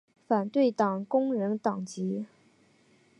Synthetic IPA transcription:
fa˨˩nt̪we˥˩ɪt̪ɑ˨˩ŋkʊ˥ŋɻə˧˥nt̪ɑ˨˩ŋt͡ɕi˧˥

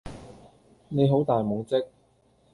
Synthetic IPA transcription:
ne˨˧jɦo˨˥wt̪aː˨jmʊ˨˥ŋt͡sɪ˥k̚

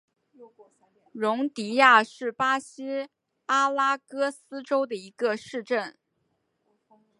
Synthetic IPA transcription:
ɻʊ˧˥ŋt̪i˧˥ja˥˧ʂɻ̩˥˩pa˥ɕi˥ | a˥la˥kɤ˥sɹ̩˥ʈ͡ʂo˥ʊd̪ə˨i˧˥ɡə˧ʂɻ̩˥˧ʈ͡ʂə˥˩n

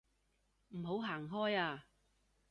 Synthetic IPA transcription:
m̩˨˩ɦo˨˥wɦaː˨˩ŋɦɔː˥jaː˧

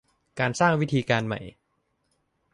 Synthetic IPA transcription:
kaː˧nsaː˥˩ŋwi˦˥t̪ʰiː˧kaː˧nma̰˨˩j

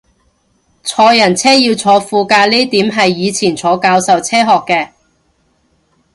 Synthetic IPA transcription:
t͡sʰɔː˧jɐ˨˩nt͡sʰɛː˥jiː˧wt͡sʰɔː˨˧fuː˧kaː˧liː˥t̪iː˨˥mɦɐ˨jːiː˨˧t͡sʰiː˨˩nt͡sʰɔː˨˧kaː˧wsɐ˨wt͡sʰɛː˥ɦɔː˨˩kːɛː˧

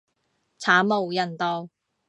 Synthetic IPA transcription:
t͡sʰaː˨˥mo˨˩wjɐ˨˩nt̪ɔː˧w

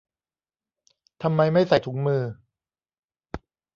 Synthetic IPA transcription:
t̪ʰa˧mːa˧jma˥˩jsa˨˩jt̪ʰu˩˦ŋmɯː˧

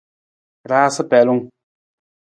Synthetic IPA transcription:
ɾaː˦sɨ˦pɛ˨lu˦ŋ

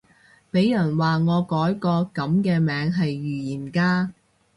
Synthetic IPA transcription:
pe˨˥jːɐ˨˩nwaː˨ŋɔː˨˧kɔː˨˥jkɔː˧kɐ˨˧˥mkɛː˧mɛː˨˧ŋɦɐ˨jːyː˨˩jiː˨˩nkaː˥

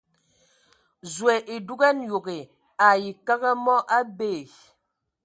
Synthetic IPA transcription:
zwɛ˨ʔi˨du˦ɡɛ˦njo˨ɡe˨ | a˨ji˨ka˦ɣə˦mɔ˦ʔa˦beː˦˨

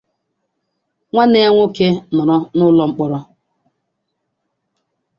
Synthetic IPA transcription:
ŋʷa˦ne˦a˦ŋʷʊ˦ke˦nɔ˨ɾɔ˦nʊ˦lɔ˦ŋ͡m̩˦k͡pɔ˦ɾɔ˦

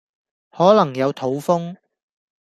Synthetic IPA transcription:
hɔː˨˥lɐ˨˩ŋjɐ˨˧wt̪ʰo˨˥wfʊ˥ŋ

